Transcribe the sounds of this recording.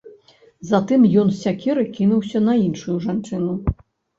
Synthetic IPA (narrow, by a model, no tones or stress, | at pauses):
zat̪ɨmjɔnsʲakʲiɾɨkʲinuwsʲɐnɐinʂujuʐant͡ʂɨnu